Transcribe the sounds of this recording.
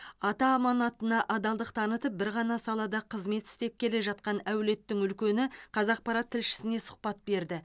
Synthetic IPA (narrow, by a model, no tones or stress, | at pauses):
ɑt̪ɑːmɑnɑt̪ənɑʔɑd̪ɑlˠd̪əq̚t̪ʰɑnət̪əp̚bɪɾʁɑnɑsɑlˠɑd̪ɑqʰəzme̞t̪ɪ̥st̪e̞p̚kʲʰe̞le̞ʒɑt̪̚qɑnæwle̞t̪ːɪŋʏlkʲe̞nɪqʰɑzɑq̚pɑɾɑt̪ʰːɪlʃɪ̥sɪne̞sʊ̥q̚pɑt̪̚be̞ɾd̪ɪ